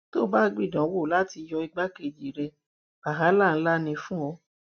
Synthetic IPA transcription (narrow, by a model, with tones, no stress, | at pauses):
to˦ba˦ɡ͡bi˦˨dã˨˦wo˦˨la˦ti˧jɔ˧i˧ɡ͡ba˦ke˨d͡ʒi˨ɾɛ˧ | ba˨ɦa˨˦la˦˨ñ̩˦la˦nĩ˧fũ˦ɔ˧